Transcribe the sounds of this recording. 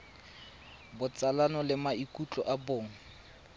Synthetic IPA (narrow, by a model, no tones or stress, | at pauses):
bʊt͡sʼalanɔlɪmaikʼut͡ɬʼɔʔaboːŋ̩